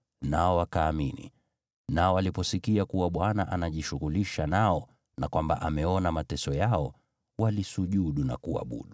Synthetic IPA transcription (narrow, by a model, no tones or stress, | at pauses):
naɔwakaːminḭ | naɔalipɔsikiakuwaɓwanaʔanaʄiʃuɣuliʃanaɔ | nakwamba̰ʔamɛɔnamatɛsɔjaɔ | walisuʄuɗuna̰kua̰ɓṵɗu